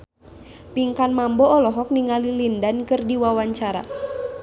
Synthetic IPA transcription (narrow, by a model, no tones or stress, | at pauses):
piŋkanmambɔːlɔɦɔk̚niŋalilindankɨrdiwawaɲt͡ʃaɾa̰